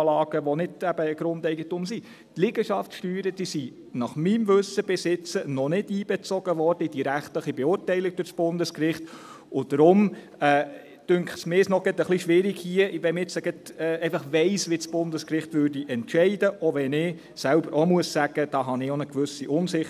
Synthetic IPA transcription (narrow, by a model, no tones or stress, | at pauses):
lɑːɡ̥əʋɔnɪdæb̥əːɡ̥ɾʊndɛɪɡətʊmsi | tlɪɡ̥əʃɑftʃtyːɾəd̥isi | nɑχmimʋɵsəb̥ɪsɪt͡sənɔnɪd̥iːb̥ɛt͡sɔɡ̥əʋɔrd̥əid̥iɾæχtləχibeʊːrtɛɪlɪk̚d̥ʊɾsb̥ʊndəskrɪχt | ʊd̥əɾʊm | ɛː | d̥ʏŋkχsmɪsnɔɡ̥ətəχliʃʋɪɾiɡhiəʋɛmɪt͡səɡ̥ətɛeɪfɑχʋɛɪsʋɪt͡sb̥ʊndəskrɪχtʋørdiʔɛntʃɛɪdəʔoʋɛnɪ | sælbəɾomuəssæɡ̥əd̥ɑːɦɑnɪonəkʋʉsiʔʊnsɪχ